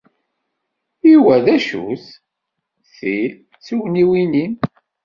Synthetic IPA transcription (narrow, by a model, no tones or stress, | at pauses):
iwæðæʃṵθ | θi | t͡sːiwniwinin